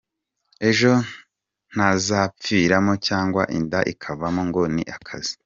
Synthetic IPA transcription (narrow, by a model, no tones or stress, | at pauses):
e̞ʒo̞ | n̥azap͡fiɾamo̞caːŋɡwaʔindaʔikʰavamoŋɡo̞nḭʔakʰa̰zi̥